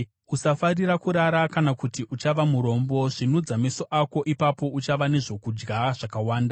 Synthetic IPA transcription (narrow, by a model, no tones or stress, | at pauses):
usafarirakuɾaɾakanakutiʔut͡ʃaʋamuɾo̞mbo̞ʐinud͡zameso̞ʔako̞ʔipapo̞ut͡ʃaʋane̞ʐo̞kud͡ʒɡaʐ̥akawaːnda